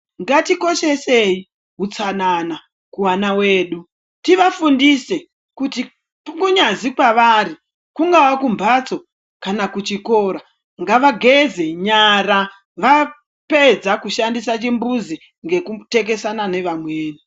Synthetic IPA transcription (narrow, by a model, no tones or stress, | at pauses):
ŋɡatiko̞ʃe̞se̞i | ɦut͡sanana | kuwanawe̞ːɗu | tiʋafundise̞ | kuti | pukuɲazikwaʋaːɾi | kuŋɡawakumbʱat͡so̞ | kanakut͡ʃiko̞ːɾa | ŋɡaʋaɡʱeze̞ɲaɾa | ʋa | pe̞d͡zakuʃandisat͡ʃimbuzi | ŋɡe̞kute̞k̬e̞sanane̞ʋamweːni